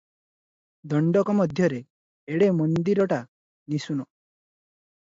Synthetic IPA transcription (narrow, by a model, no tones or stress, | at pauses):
d̪ɔɳɖɔkɔmɔd̪ʱjɔɾeː | ɽemɔnd̪iɾɔʈa | nisunɔ